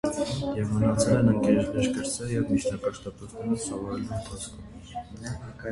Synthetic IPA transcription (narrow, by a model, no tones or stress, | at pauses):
jɛvmənɑt͡sʰɛlɛnəŋkɛɾɛt͡ʃb̪ɛʃkəɾt͡sɛjɛvmit͡ʃʰnɑkɑʃt̪ɑt̪ut̪ʰnɛɾəsɑvɑɾɛluənt̪ʰɑskʰɔm